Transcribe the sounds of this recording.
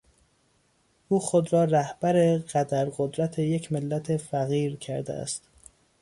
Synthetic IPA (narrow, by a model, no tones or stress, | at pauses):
ʔuːxo̞d̪ɾɒːɾæhb̥æɾe̞ɣ̥æd̪æɾɢod̪ɾæt̪ʰe̞je̞cʰmelːæt̪ʰe̞fæɣiːɾcʰæɾd̪ḛʔæ̰st̪